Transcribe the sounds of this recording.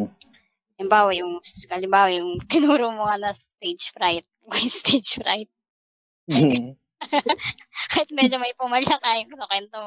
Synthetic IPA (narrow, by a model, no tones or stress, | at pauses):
ɐlɪmbaːwɐjʊŋsʔɐlɪmbaːwɐjʊŋt̪ɪnuːɾomʊkɐnɐst̪ejd͡ʒfɾajt̪̚wɐjst̪ejd͡ʒfɾajt̪̚ | kaːhɪt̪̚mɛd͡ʒomɐjpʊmɐlɐkaːjʊŋkɐnɐkwɛnt̪om